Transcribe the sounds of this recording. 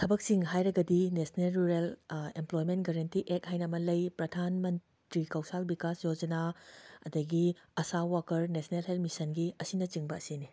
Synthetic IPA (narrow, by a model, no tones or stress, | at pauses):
tʰɐbɐk̚siŋɦajɾɐɡɐdinesnelɾuɾelemplojmentɡɐɾɐntiʔek̚hajnɐmɐlɐjpɾɐdʱanmɐn | tɾikawsalbikasjod͡ʒɐnaɐ̰dɐɡiɐsawakɐɾnesnelɦelmisɐnɡiɐsinɐt͡ʃiŋbɐɐsini